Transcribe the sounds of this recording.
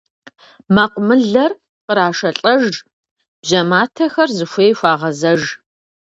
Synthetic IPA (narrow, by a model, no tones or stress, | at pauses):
maqʷʊmɨɮɐr | qəɾaːʂɐɬʼɐʒ | b̥ʑɐmaːtʰɐxɐrzɨxʷeːjxʷaːʁɐzɐʒ